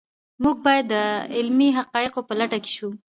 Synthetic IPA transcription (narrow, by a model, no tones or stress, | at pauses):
muɡ̚bɑjad̪ːəɪlmiɦaqɑɪqopəlaʈake̥ʃu